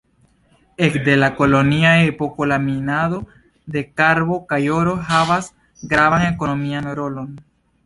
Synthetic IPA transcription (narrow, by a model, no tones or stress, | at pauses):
ekd̪elako̞loniaepokolaminaðo̞ | d̪e̞kaɾβo̞kajoɾoɦaβas | ɡɾaβaŋeko̞no̞mianɾolon